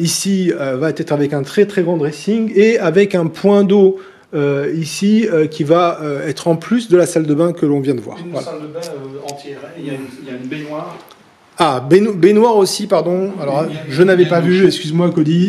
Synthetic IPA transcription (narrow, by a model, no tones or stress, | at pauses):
isiøvat̪ɛt̪χavɛkɛ̃t̪χɛt̪χɛɡʁɑ̃d̪ʁesiŋeavɛkɛ̃pwɛ̃d̪o | øisiøkʲivaøɛt̪χɑ̃plysd̪əlasald̪əbɛ̃kəlɔ̃vjɛ̃d̪əvwa̰ːʁvwa̰ald̪ə̃t̪ɛʁjbenwaʁ | abebenwaʁosipaʁd̪ɔ̃alɔʁʒənavɛpavyɛkskʲyzmwakɔd̪i